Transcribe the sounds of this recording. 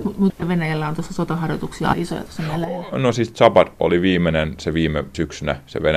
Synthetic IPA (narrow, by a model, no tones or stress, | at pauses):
mut̪mut̪eʋenæjælːæont̪osːɑsot̪ɑhɑrjot̪uksiɑ̰ɑ̰iso̰jɑ̰t̪o̥sːɑmælːænosiˑst̪sɑpɑt̪o̰liʋiːmenenseʋiːmesyksynæsḛʋenæ